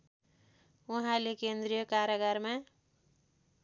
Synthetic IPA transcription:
uɦãlekend̪ɾijʌkaɾjʌɡʌɾma

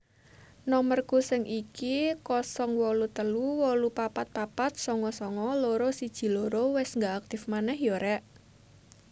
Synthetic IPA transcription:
nɔmərkusɪŋʔikikɔsɔŋwɔlut̪əluwɔlupapat̪̚papat̪̚sɔŋɔsɔŋɔloɾosid̥ʒ̥i̤loɾowɪsŋɡaak̚t̪ɪfmanɛhjɔɾɛʔ

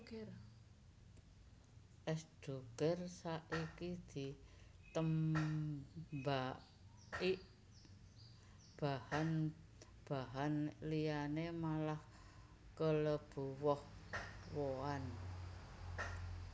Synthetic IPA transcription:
ʔɛsd̥o̤kərsaʔikid̪̥i̤t̪əm | ba | iʔ | b̥ahan | b̥a̤ɦanlianemalah | kələb̥ṳwɔhwoan

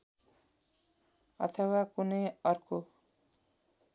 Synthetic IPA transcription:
ʌ̰t̪ʰʌwakunʌjʌrko

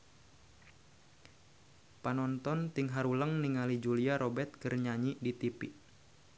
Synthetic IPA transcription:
panɔnt̪ɔnt̪iŋɦaɾuləŋniŋalid͡ʒuliaɾʔɔbɛrt̪̚kərɲaɲidit̪ipiʔ

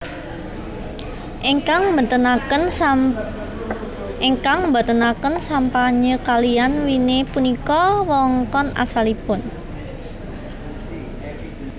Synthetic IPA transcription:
ʔekaŋət̪əə | ʔeŋkaŋmbat̪ənakənsampaɲəkalianwinepunikɔwɔŋkɔna̰salipʊn

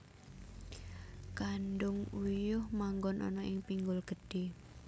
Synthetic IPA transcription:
kanɖʊŋujʊhmaŋɡɔnʔɔ̰nɔʔɪŋpiŋɡʊlɡ̥ə̤d̥e

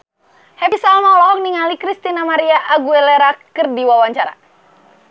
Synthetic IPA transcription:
hɛpisalmalɔɔŋniŋalikɾist̪inamaɾiaʔaɡuɛlɛɾakɨrdiwawaɲt͡ʃaɾa̰

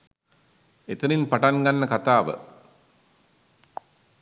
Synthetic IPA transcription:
et̪əninpaʈanɡanːəkat̪aːʋə̰

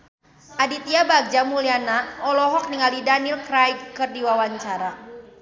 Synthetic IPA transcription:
ʔadit̪iabaɡ̚d͡ʒamulianaɔlɔɦɔk̚niŋalidanilkɾajdkɨrdiwawaɲt͡ʃaɾa

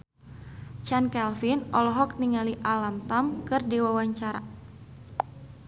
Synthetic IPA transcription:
t͡ʃankɛlfinɔlɔɦɔk̚niŋaliʔalamt̪amkɨrdiwawaɲt͡ʃaɾa̰

